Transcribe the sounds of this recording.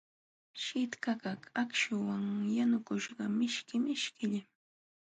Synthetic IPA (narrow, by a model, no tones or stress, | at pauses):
ʃɪt̪kakakakʃʊwaŋjanʊkʊʃɢɑmɪʃkɪmɪʃkɪʎa